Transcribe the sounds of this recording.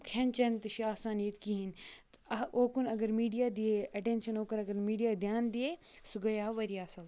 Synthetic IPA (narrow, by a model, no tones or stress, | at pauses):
kʰent͡ʃɐnt̪ɐʃiaːsaːnijət̪kiɦint̪ɐoːkunɐɡɐɾmiːɖijaːd̪ieɐʈẽːnʃɐnoːkɐɾɐɡɐɾmiːɖijaːd̪jaːnd̪iesʊɡɐjaːɦʋɐɾijaːsɐl